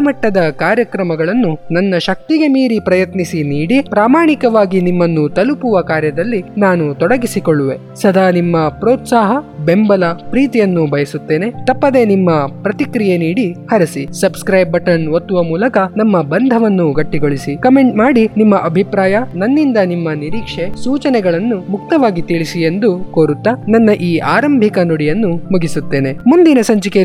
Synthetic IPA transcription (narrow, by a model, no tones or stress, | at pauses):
ɐmɐʈːɐd̪ɐkaːɾjɐkɾɐmɐɡɐɭɐnːunɐnːɐʃɐk̚t̪iɡe̞miːɾipɾɐjɐt̪nisiniːɽipɾaːmaːɳikɐʋaːɡinimːɐnːut̪ɐlupuʋɐkaːɾjɐd̪ɐlːinaːnut̪ɔɽɐɡisikoɭːuʋe̞ | sɐd̪ʱaːnimːɐpɾoːt̪saːɦɐbe̞mbɐlɐpɾiːt̪ijɐnːubʱɐjɐsut̪ːe̞ːnet̪ɐpːɐd̪e̞nimːɐpɾɐt̪ikɾijeniːɽihɐɾɐsisɐbskɾɐjbɐʈɐnʋot̪ːuʋɐmuːlɐkɐnɐmːɐbɐnd̪ʱɐʋɐnːuɡɐʈːiɡoɭisikɐme̞ɳʈmaːɽinimːɐʔɐbʱipɾaːjɐnɐnːind̪ɐnimːɐniɾiːkʂe̞suːt͡ʃɐnɛɡɐɭɐnːumuk̚t̪ɐʋaːɡit̪iɭisie̞nd̪ukoːɾut̪ːɐnɐnːɐʔiːʔaːɾɐmbʱikɐnoɽijɐnːumuɡisut̪ːe̞ːne̞mund̪inɐsɐɲt͡ʃike